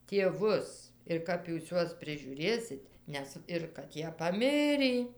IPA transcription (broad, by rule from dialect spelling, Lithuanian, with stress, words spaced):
tʲiɛˈʋʊs ɪr ˈkɐp juːs ˈjuɔs pʲrʲɪʒʲuːˈrʲeːsʲɪt ˈnʲɛs ɪr kɐt ˈjiɛ pɐˈmʲɪrʲiː